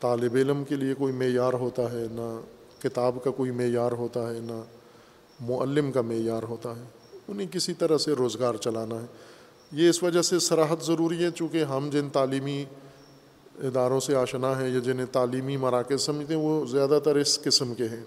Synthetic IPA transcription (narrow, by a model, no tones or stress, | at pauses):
t̪aːlɪbeːləmkeliekoːimeːjaːɾɦoːt̪aɦɛna | kɪt̪aːbkakoːimeːjaːɾɦoːt̪aɦɛna | mʊʔə̰lːɪmkameːjaːɾɦoːt̪aɦɛː | ʊnɦẽk̬ɪsit̪ɐɾəɦseɾoːzɡaːɾt͡ʃɐlaːnaɦɛː | jeɪsʋɐd͡ʒəɦsesɐɾaːɦət̪zɐɾuːɾiɦɛt͡ʃũːkeɦɐmd͡ʒɪnt̪aːliːmi | ɪd̪aːɾõseaːʃənaɦɛ̃jad͡ʒɪnẽt̪aːliːmimɐɾaːkɪzsɐməd͡ʒt̪ẽɦɛ̃ʋozjaːd̪at̪əɾɪskɪsəmkeɦɛ̃ː